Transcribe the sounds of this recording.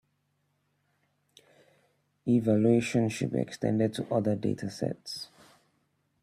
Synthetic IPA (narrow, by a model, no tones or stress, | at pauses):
ivalueʃə̃nʃʊd̚bḭɛ̰kstɛ̰̃ndɪd̚tʰəʔʌðədḛtʰasɛ̰ts